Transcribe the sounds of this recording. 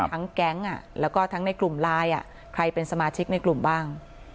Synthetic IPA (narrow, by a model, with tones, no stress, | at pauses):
t̪ʰa˦˥ŋkɛ˦˥ŋʔa˨˩lɛː˦˥wkɔː˥˩t̪ʰa˦˥ŋna˧jklu˨˩mlaː˧jʔa̰˨˩ | kʰɾa˧jpe˧nsa˧maː˧t͡ɕʰi˦˥k̚na˧jklu˨˩mbaː˥˩ŋ